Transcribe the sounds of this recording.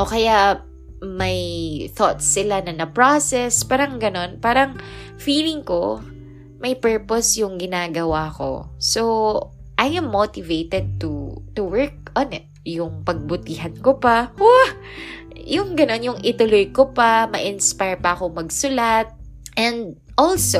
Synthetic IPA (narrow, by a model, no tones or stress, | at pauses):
ʔokɐjaʔ | mɐjθot̪̚sɪlanɐnɐpɹosɛspaːɾɐŋɡɐno̞npaːɾɐŋ | fiːlɪŋko | mɐjpɛɹposjʊŋɡɪnaːɡɐwako̞̰so | ʔajʔɛmːot̪ɪvejt̪ɛd̪̚t̪ut̪uwɛɹk̚ɔnɪt̪̚jʊŋpɐɡ̚bʊt̪iːɦɐnkopawa | jʊŋɡɐno̞njʊŋʔɪt̪ʊlojkopɐmɐʔɪnspajɹpɐʔɐko̞ŋmɐɡsʊlat̪̚ | ʔɛnd̪̚ | ʔolso